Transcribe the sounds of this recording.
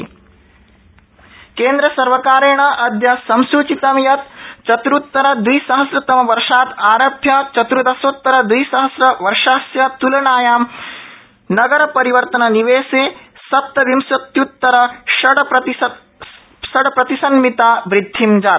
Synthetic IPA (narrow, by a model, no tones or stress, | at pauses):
keːnd̪ɾɐsɐɾʋɐkaːɾeːɳɐʔɐd̪jɐsɐmsuːt͡ʃit̪ɐmjɐt̪̚t͡ʃɐt̪ɾut̪ːɐɾɐd̪ʋiːsɐɦɐsɾɐt̪ɐmɐʋɐɾʂaːt̪aːɾɐbʱjɐt͡ʃɐt̪ɾud̪ɐsoːt̪ːɐɾɐd̪ʋiːsɐɦɐsɾɐʋɐɾʂaːsjɐt̪ulɐɳaːjaːm | nɐɡɐɾɐpɐɾiʋɐɾt̪ɐnɐniʋeːseː | sɐp̚t̪ɐʋimsɐt̪jut̪ːɐɾɐʃɐɽɐpɐt̪i | ʃɐɽɐpɾɐt̪isɐnmit̪aːbɾɪd̪ʱːimd͡ʒaː